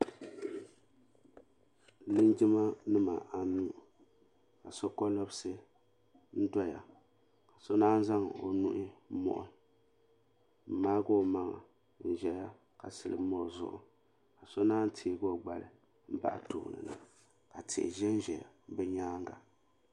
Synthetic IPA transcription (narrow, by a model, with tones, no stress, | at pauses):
lɨ˦n˦d͡ʒi˦ma˦nɨ˦ma˨ʔa˨˦nuː˦˨ | ka˨so˦kɔ˦lɔ˦bsɨ˦ | n̩˦dɔ˦ja̰˨ | ka˨so˦naː˦n˦za˦ŋ˨o̰˨nu˦ʔɪ˦mɔ̰˦ʔʊ˦ | m̩˨˦maː˦ɡo˦˨ma˦ŋa̰˨ | n̩˨ʒɛ˨ja˦ | ka˨sɨ˨lɨ̰˨˦mɔ˦˨zʊ̰˦ʔʊ̰˨ | ka˨so˦naː˦n˦tʰeː˨ɡo˦˨ɡ͡ba˨lɨ˨ | m̩˦ba̰˦ʔa˨to̰˨nɨ̰˨na̰˦ | ka˨tʰɪ̰˨ʔɪ̰˨ʒɛ˦n̩˦ʒɛ˨ja˨bɛ˦ɲaː˦ŋɡa˨